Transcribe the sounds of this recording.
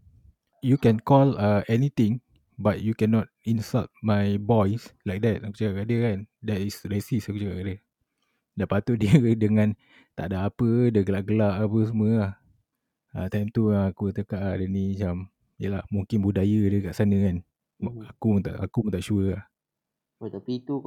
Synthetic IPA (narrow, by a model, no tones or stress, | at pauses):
jukɛ̃nkɔləɛnit̪ĩŋ | bat̚jukɛnɔt̚ĩnsalt̚majbɔjslajk̚dɛt̚aku̥t͡ʃakaʔkaʔdəkandɛtisɾesisakut͡ʃaka̰ʔkadə | daʔpat̪uʔ̚diədəŋãn | t̪a̰ʔdaapədəɡəlaʔɡəlaʔapəs̬əməlah | at̪ãjmt̪uaakut̪əkaʔadənimat͡ʃam | jəlahmũŋkɪnbudajədəkaʔsanəkan | akuət̪a̰ʔa̰kumə̃t̪aʔʃuəah | ot̪apit̪u